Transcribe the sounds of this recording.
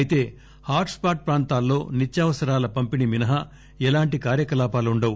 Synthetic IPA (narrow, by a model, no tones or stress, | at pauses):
jit̪e̞ː | haːɾʈspaːʈ̚pɾaːnt̪aːlːo̞ːnit͡ʃːjaːʋɐsɐɾaːlɐpɐmpiniminɐɦɐ | ɛlaːɳʈikaːɾjɐkɐlaːpaːluɳɖɐwu